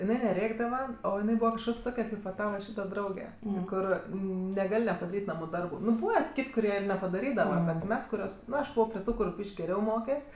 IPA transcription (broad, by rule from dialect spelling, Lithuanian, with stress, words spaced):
ɪˈnɐɪ nʲɛˈrʲeːɡdɐʋɐ oː ɪˈnɐɪ ˈbuːʋɐ kɐʃˈkɐs ˈtoːkʲɛ kɐɪp ʋɐ ˈtɑːʋɐ ˈʃʲiːtɐ ˈdrɐʊɡʲɛ ˈkʊr nʲɛˈɡɐlʲ nʲɛpɐdɐˈrʲiːtʲ ˈnɑːmʊ ˈdɐrbʊ ˈnʊ ˈbuːʋɐ ˈkʲɪtʲ kʊˈrʲiɛ ɪr nʲɛpɐdɐˈrʲiːdɐʋɐ ˈbʲɛt ˈmʲɛs kʊˈrʲoːs ˈnʊ ɐʃ ˈbʊʋoː pʲrʲɪ ˈtuː kʊr ˈbʲiːʃʲkʲ ɡʲɛˈrʲɛʊ ˈmoːkʲɛsʲ